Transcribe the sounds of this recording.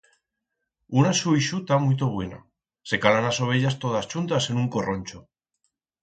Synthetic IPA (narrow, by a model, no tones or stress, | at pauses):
unasuiʃut̪amuit̪̬oβwena̰ | se̞kalanaso̞β̞e̞ʎast̪o̞ðast͡ʃunt̪ase̞nũŋko̞ro̞nʲt͡ʃo